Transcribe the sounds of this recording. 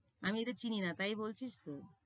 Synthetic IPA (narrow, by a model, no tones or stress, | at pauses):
amiet̪et͡ɕininat̪ajbolt͡ɕʰiʃt̪o